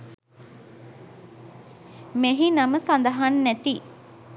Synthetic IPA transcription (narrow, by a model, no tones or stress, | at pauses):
meɦinɐməsand̪ɐɦanːæt̪i